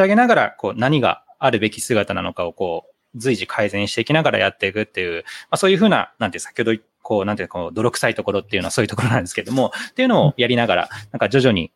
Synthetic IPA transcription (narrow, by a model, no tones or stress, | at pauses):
aɡe̞naɡaɾako̞ːnaɲ̟iɡa̰ | aɾɯ̟be̞kʲisɨɡat̪anano̞kao̞ko̞ː | d͡zɨiʑikʰaizẽ̞ɰ̃ɕi̥t̪e̞ikʲinaɡaɾa̰jat̪ːe̞ikɯ̟t̪ːe̞jɯ̟ːmaso̞ːjɯ̟ːɸɯːna̰nanesḁkʲihod̪o | ko̞ːnant̪ekod̪o̞ɾo̞kɯ̟̥sait̪o̞ko̞ɾo̞t̪ːe̞jɯ̟noaso̞ːjɯ̟t̪okoɾonãnd̪esɨ̥keɾd̪omo̞t̪eiɯ̟no̞ojaɾʲinaɡaɾa̰nãŋkad͡ʑo̞ʑo̞ɲ̟ḭ